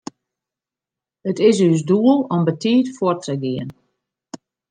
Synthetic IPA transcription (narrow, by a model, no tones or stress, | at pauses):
ətɪsysduəlˠɔmbətiːtfortəɡiən